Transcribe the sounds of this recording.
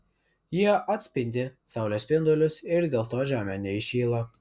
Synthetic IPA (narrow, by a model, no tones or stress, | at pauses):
jiɛʔɐt̪ʲsʲpʲɪnʲd̪ʲɪsɑʊlʲoːsʲpʲɪnd̪olʲʊsɪɾd̪ʲeːlˠt̪oːʒʲæːmʲɛnʲɛɪʃʲiːlˠɐ